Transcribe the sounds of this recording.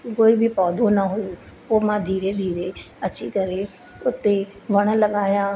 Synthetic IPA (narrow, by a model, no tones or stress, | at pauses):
koːibʱɪpɔːd̪ʱonɐɦʊjo | poːmãd̪ʱiːɾed̪ʱiːɾe | ɐt͡ɕikɐɾe | ʊt̪e | ʋɐɽ̃ə̆lɐɠaːjaː